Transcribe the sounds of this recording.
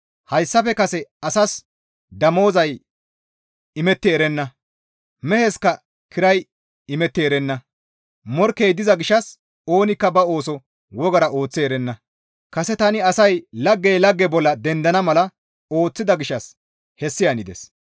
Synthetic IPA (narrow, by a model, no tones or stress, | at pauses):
hɐjsːɐfɛkɐsɛɐsɐs | d̪ɐmo̞ːzɐj | ɪmɛt̪ːɛːɾɛnːɐ | mɛhɛskɐ | kʰɪɾɐj | ɪmɛt̪ːɛɛɾɛnːɐ | mɔɾkːejd̪ɪzɐɡɪʃɐs | o̞ːnɪkːɐbɐo̞ːsɔ | wɔɡɐɾɐʔo̞ːt͡sːɛɛɾɛnːɐ | kɐsɛt̪ɐnɪɐsɐjlɐɡːɛjlɐɡːɛbɔlːɐd̪ɛnd̪ɐnɐmɐlɐ | o̞ːt͡sːɪd̪ɐɡɪʃːɐs | hɛsːɪjɐnɪd̪ɛs